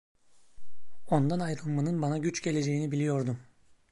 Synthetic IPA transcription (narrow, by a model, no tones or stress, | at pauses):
o̞nd̪anajɾɯlˠmanɯnbanaɟyt͡ʃɟe̞lʲe̞d͡ʒe̞jinibilʲijo̞ɾd̪um